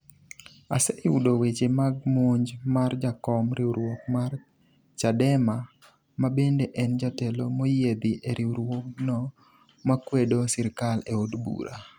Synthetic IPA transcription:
aseʔɪudowet͡ʃemaɡ̚moɲd͡ʒmard͡ʒakɔmɾʔɪuɾwokmar | t͡ʃadɛma | mabendeʔɛnd͡ʒatɛlomojed̪ɪʔeɾʔiuɾwoknɔ | makwedosɪɾkaleodbṵɾʔa

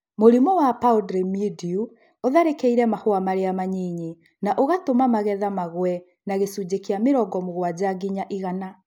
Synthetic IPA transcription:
moɾimɔwapaudɾemidiu | oðaɾekeiɾɛmahoamaɾeamaɲiɲe | naʔoɣatomamaɣɛðamaɣwɛ | naɣesud͡ʑekeameɾɔɡɔmoɣwad͡ʑaɡiɲaʔiɣana

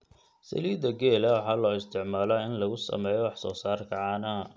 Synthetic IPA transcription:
sɐ̰liːd̪ɐɡeːlɐwɑħɑːlɔːɪst̪ʰɪʕmaːlɐɪnlɐɣʊsɐ̰mɛːjɔwɑħsɔ̰ːsaːrkʰɐʕaːnɐ

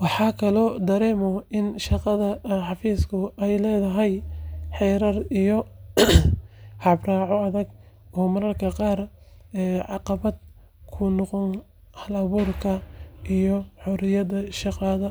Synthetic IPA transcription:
wɑħɑːkʰɐlɔːd̪ɐɾɛːmɔɪnʃɑqɑðɐħɑfiːskʰʊʔɛjlɛːðɐɦɛjħɛjɾɐrijɔ | hɑbrɑːʕɔɐðɐɡ | ɔːmɐɾɐrkʰɐqɑːr | ɛːʕɑqɑβɐd̪ | kʰʊnɔqɔn | hɐlɐβuːrkʰɐʔijɔħɔɾɪjɐðɐʃɑqɑðɐ

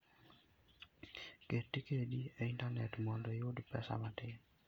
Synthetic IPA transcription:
ketːikeɗieintanɛtmɔndɔjodpɛ̰sa̰matɪ

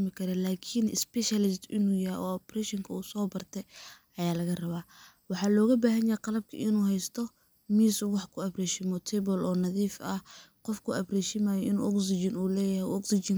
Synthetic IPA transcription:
mɪkʰɐɾɛlaːkʰinɪspɛʃɐlɪst̪ɪnuːjɐʔɔ̰ːɔprɛʃɪŋkʰɐuːsɔːbɐrt̪ʰɛ | ɐjaːlɐɣɐrɐβaː | wɑħɑːlɔːɣɐbaːɦɐnjajqɑlɐb̚kʰɐ̰ʔɪnuːhɛjst̪ʰɔ | miːsuwɑħkʰʊɐbrɛːʃɪmɔt̪ʰɛbɔlɔːnɐðiːfɐhqɔfkʰʊɐbrɛʃɪmaːjɔɪnṵːʔɔksɪt͡ʃɪnuːlɛːjɐhɛjɔksɪt͡ʃɪŋ

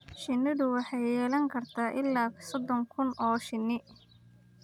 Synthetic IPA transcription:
ʃɪnːɪðʊwɑħɑjjɛːlɐŋkʰɐrt̪ʰaːʔɪlːaːsɔd̪ɔŋkʰʊnʔɔːʃɪnːɪ

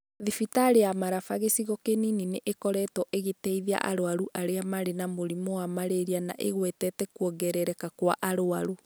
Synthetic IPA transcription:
ðifitaɾeamaɾafaɣesiɣɔkeninineʔekɔɾɛtɔʔeɣetɛiðia̰ʔa̰ɾoaɾuʔaɾeamaɾenamoɾimoamaɾeɾiana̰ʔḛɣwɛtɛtɛkwɔɣɛɾɛɾɛkakwa̰ʔaɾoaɾu

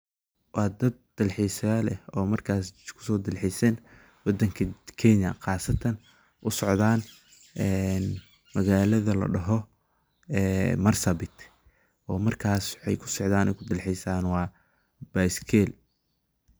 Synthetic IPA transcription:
wɑːd̪ɐd̪̥̚ːɐlħisɐjaːlɛɔːmɐrkʰaːskʰʊ̥sɔːd̪ɐlħisɛn | wɑd̪ɐŋkʰɐkʰɛnɐ̰qɑːsɐt̪ʰɐn | ʔʊsɔʕd̪aːn | ʔɛn | mɐɣaːlɐðɐlɐ̰ɖɐɦɔ | ɛːmɐrsɐbɪt̪ʰ | ʔɔːmɐrkʰaːsħɛ̰jkʰʊ̥sɔʕd̪aːnɛjkʰʊd̪ɐlħijsaːnwɑː | b̥ajskʰɛl

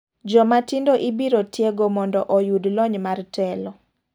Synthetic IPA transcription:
d͡ʒɔmatindoʔibiɾotjeɡomɔndɔʔɔjudlɔɲmartɛlɔ

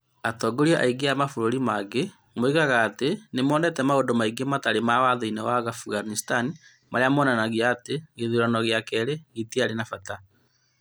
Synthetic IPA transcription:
atɔɡoɾiɔʔaiɡeamafoɾoɾimaɡe | moiɣaɣaːtenemɔːnɛtɛmaondomaiɡemataɾemawaðoinewaɣafuɣanistani | maɾeamɔnanaɣjaːteɣeðuɾanɔɣeakɛɾeɣetiaɾenafata

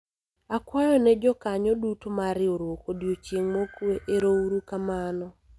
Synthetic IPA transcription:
akwajɔnɛd͡ʒɔkaɲɔdutomaɾɪoɾwokodjot͡ʃjeŋmokweʔeɾouɾukamanɔ

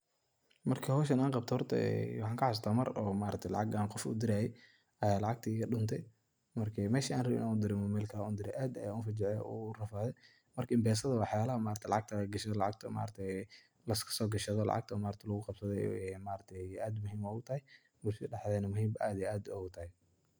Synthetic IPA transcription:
mɐrkʰɐhɔːʃ̬ɐnaːŋqɑb̚t̪ʰɔhɔrt̪ʰɐ̰ɛ̰wɑħɑːŋkʰɐħast̪ʰaːmɐrɔːmaːɾɐt̪ʰɛlɑ̰ʕɑɡaːnqɔfʊ̰d̪ɪɾaːjɛ | ɐjaːlɑʕɑɡ̚t̪ʰiɣɐɗʊnt̪ʰɛj | mɐrkʰɛmɛːʃiaːnrɐβɪ̰nʔaʊd̪ɪɾɪmʊmɛːlkʰɐuːnd̪ɪɾɛʔaːd̪ɐjaːuːnfɐd͡ʒɪʕɛʔṵrɐfaːðɛ | mɐrkʰɐɪmbɛːs̬ɐðɐwɑħjaːlɐhɐmaːɾɐt̪ʰɛlɑ̰ʕɑɡ̚t̪ʰɐɡɐʃɐðɔlɑʕɑɡ̚t̪ʰɐma̰ːɾt̪ʰɛ | lɐskʰɐ̥sɔːɡɐʃɐðɔlɑ̰ʕɑ̰ɡ̚t̪ʰɐɔmaːɾɐt̪ʰɐlɐɣʊqɑbsɐðɛ̰ɛmaːɾɐt̪ʰɛaːd̪mʊhiːmɔːʊt̪ʰɐhɛj | mʊsiːɗɛħðɛnɐmʊhiːmbɐʔaːd̪iʔaːd̪ɔɡʊt̪ʰɐhɛ

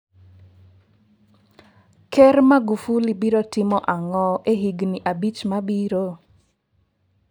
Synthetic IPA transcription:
kɛrmaɡufulibiɾotɪmɔʔaŋɔʔeɦiɡniʔabit͡ʃmabiɾo

